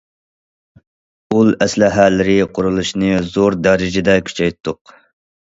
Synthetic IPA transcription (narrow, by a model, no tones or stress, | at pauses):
ulˠɛslɪɦælːɪɾɪqʰʊɾulˠuʃnɨzoɾd̪ɛɾɪd͡ʒɪd̪ɛkʲʰy̥t͡ʃʰɛjt̪ʰːʊq